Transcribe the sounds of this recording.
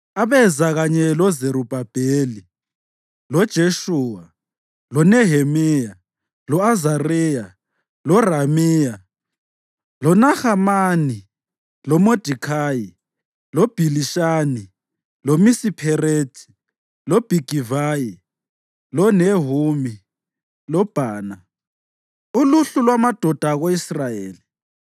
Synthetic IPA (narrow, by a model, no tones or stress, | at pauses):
aβɛzaɣaɲɛlɔzeɾub̥ʱab̥ʱeli | lɔd̥ʒ̥ʱeʃuːwa | lɔnɛɦemɛja | lɔazarɛja | lɔramɛːja | lɔnaxamani | lɔmod̥ʱikʰaːji | lob̥ʱiliʃaːni | lomisipʰɛreːtʰʼi̥ | lɔb̥ʱiɡ̥ʱivaːji | lɔneɦumi | lɔb̥ʱaːna | uluɬulwamad̥ʱɔd̥ʱaɣoisrajeːli